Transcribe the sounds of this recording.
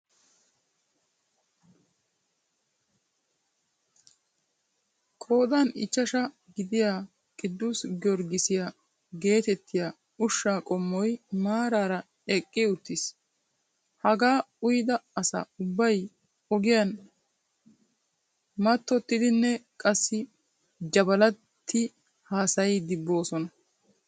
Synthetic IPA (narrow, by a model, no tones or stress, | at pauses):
kʰʼo̞ːd̪aːnɪ̰t͡ʃːɐʃɐ | ɡɪd̪ɪjaː | kʼɪd̪ːusɡɔɾɡɪsɪja | ɡe̞ːt̪ɛt̪ːɪja | ʊʃːaːkʼɔmːɔjmaːɾaːɾɐ | ɛkʼːɪʊt̪ːɪs | hɐɡaːʊjd̪ɐːsa̰ːʊbːɐj | ɔɡɪjɐn | mɐt̪ːɔt̪ːɪd̪ɪnːɛkʼɐsːɪ | d͡ʒɐbɐlɐ | t̪ʰːɪ | haːsɐjɪd̪ɪbːo̞ːsɔnɐ